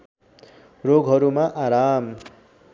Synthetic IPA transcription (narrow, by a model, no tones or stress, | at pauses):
roɡɦʌɾumaʔaɾam